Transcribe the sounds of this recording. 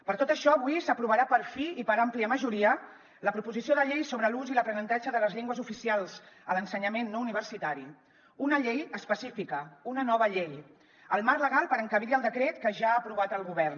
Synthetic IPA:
pəɾt̪ot̪əʃɔəβuisəpɾuβəɾapəɾfiipəɾampliəməʒuɾiə | ləpɾupuzisioðəʎejsoβɾəluziləpɾənənt̪ad͡ʒəðələzʎeŋɡwəzufisialˠz̥ələnsəɲəmenːouniβərsit̪aɾi | unəʎejəspəsifikəunənɔβəʎej | əlˠmarləɣalˠpəɾəŋkəβiɾiəlˠd̪əkɾet̪kəʒaːpɾuβ̞at̪əlˠɣuβɛrn

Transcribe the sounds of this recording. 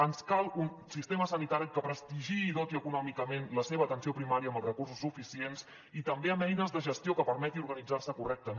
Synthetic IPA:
ənskalˠunsist̪eməsənit̪aɾikəpɾəst̪iʒiːðot̪iəkunɔmikəmenləseβət̪ənsiopɾimaɾiəːmbəlˠzrəkursusːufisiens | it̪əmbeəmɛjnəzðəʒəst̪iokəpəɾmɛt̪iuɾɣənid͡zarsəkurɛk̚t̪ə

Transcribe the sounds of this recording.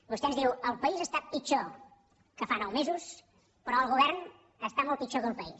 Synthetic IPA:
bust̪ɛnzðiwəlˠpəizəst̪apit͡ʃo | kəfanawmezus | pəɾɔəlˠɣuβɛɾn | əst̪amɔlˠt̪̚pit͡ʃokəlˠpəis

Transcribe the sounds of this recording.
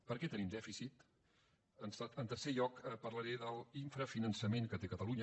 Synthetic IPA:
pəɾkɛt̪ənimd̪ɛfisit̪ | ənsaənt̪əɾseʎɔkəpəɾləɾeðəlˠiɱfɾəfinənsəmeŋkət̪ekət̪əluɲə

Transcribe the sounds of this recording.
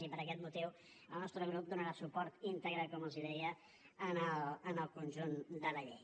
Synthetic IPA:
ipəɾəkɛt̪mut̪iw | əlˠnɔst̪ɾəɣ̞ɾup̚d̪unəɾasupɔɾt̪int̪əɣɾakɔməlˠziðɛjə | ənələnəlˠkunʲʒund̪ələʎḛj

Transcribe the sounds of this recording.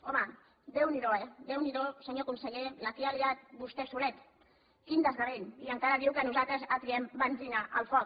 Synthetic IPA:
ɔmə | d̪ewniðoɛd̪ewniðosəɲoakunsəʎelafialiðat̪̚bust̪ɛsulɛt̪ | kind̪əzɣareniəŋkaɾəðiwkənuzat̪ɾəzat̪ɾiɛmbamziŋaʔəlˠfɔk

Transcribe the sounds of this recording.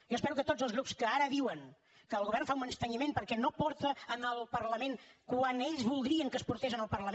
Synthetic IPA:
ʒoəspɛɾukət̪od͡zzəlˠɣɾupskəaɾəðiwəŋ | kəːlˠɣuβɛɾrnfaunənst̪əɲimenpəɾkɛnopɔɾt̪əːnəlˠpəɾləmenkwaneʎzβulˠd̪ɾiəŋkəspuɾt̪es̬ənəlˠpərləm

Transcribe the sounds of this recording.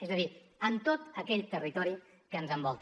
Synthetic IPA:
ɛzəðiənt̪ot̪əkɛʎt̪ərit̪ɔɾi | kəːnzəmbɔlˠt̪

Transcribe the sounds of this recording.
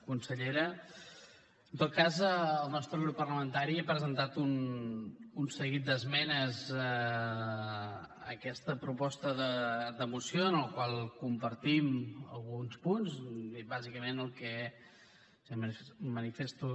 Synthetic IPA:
kunsəʎeɾə | ənt̪ot̪̚kazːlˠnɔst̪ɾəwɾupərləmənt̪aɾiapɾəzənt̪at̪un | unsəɣit̪̚d̪əzmɛnəzə | ə̰kɛst̪əpɾupɔst̪əðəd̪əmusijoənəlˠkwalˠkumpəɾt̪imə̰lˠɣunspunzβazikəmenəlˠkɛ | mmənifest̪u

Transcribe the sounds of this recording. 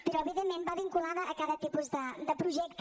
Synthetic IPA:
pəɾɔəβiðemːembaβiŋkulaðəʔːkaðət̪ipuzðəd̪əpɾuʒɛk̚t̪

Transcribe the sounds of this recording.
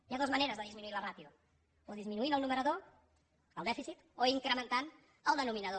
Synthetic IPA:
jaðozməneɾəzðəðizminuiləratiu | oðizminuinəlˠnuməɾəðo | əlˠd̪ɛfisit̪ | oiŋkɾəmənt̪an | əlˠd̪ənuminəðo

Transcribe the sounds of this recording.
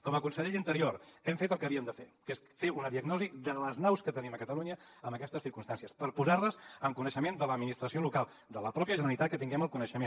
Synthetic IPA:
kɔməkunsəʎeʎint̪əɾioɾɛmfet̪əlˠkəβiəmd̪əfḛkesfeunəðiəɡnɔzid̪ələznawskət̪əniməkət̪əluɲəəmbəkɛst̪əsiɾkumst̪ansiəspəɾpuzarləzəŋkunəʃəmend̪ələd̪minist̪ɾəsiolukalˠ | d̪ələpɾɔpjəʒənəlit̪at̪̚kət̪iŋɡɛməlˠkunəʃəmen

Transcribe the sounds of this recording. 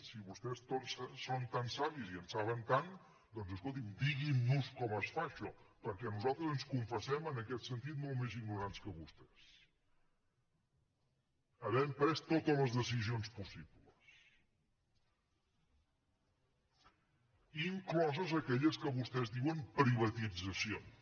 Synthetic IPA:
siβust̪ɛst̪ossont̪ansaβiziənsaβənt̪an | d̪ɔnzəskolˠt̪imd̪iɣinːuskɔməsfaʃɔpəɾkɛnuzalˠt̪ɾəzənskuɱfəsɛmənəkɛt̪sənt̪it̪molˠmezinnuɾanskəβust̪ɛs | əβɛmpɾɛst̪ot̪ələzðəs̬izionspusiβləs | iŋklɔzəzəkɛʎəskəβust̪ɛzðiwəmpɾiβət̪id͡zəsio

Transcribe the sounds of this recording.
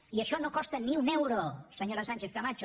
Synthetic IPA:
iəʃɔnokɔst̪əniunewɾosəɲoɾasanʲt͡ʃeθkamat͡ʃo

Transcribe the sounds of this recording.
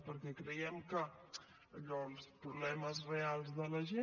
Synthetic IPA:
pəɾkɛkɾəjɛmkəː | ʎɔlˠspɾuβlɛməzrealˠzðələʒe

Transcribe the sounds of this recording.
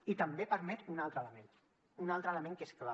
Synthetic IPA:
it̪əmbepəɾmɛt̪unalˠt̪ɾələmẽn | unalˠt̪ɾələmẽŋkeskla

